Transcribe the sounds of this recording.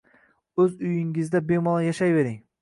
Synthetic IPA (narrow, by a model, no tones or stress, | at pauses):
ɵzʊjɪŋɪzd̪abemɒlˠajaʃajve̞ɾɪŋ